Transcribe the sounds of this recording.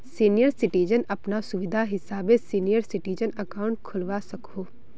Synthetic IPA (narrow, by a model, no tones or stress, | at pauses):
siːnijəɾsɪʈiːd͡ʒənɐpnasʊʋɪd̪ʱaɦɪsaːbesiːnijəɾsɪʈiːd͡ʒənɐkaːʊ̃ɳʈ̚kʰʊlʋasɐkoː